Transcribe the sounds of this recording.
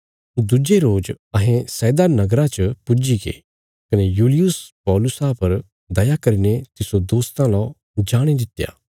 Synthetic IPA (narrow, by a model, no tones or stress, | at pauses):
d̪ʊd͡ʒeɾoːd͡ʒ | ɐɦẽsɛːd̪anɐɡɾãt͡ʃəpʊd͡ʒiɡḛ | kɐnejuːlɪjʊspɔːlʊsapɐɾ | d̪ɐjakɐɾinet̪ɪsod̪oːst̪ãlɔ̃ | d͡ʒaːɽ̃ed̪ɪt̪ːja̰ː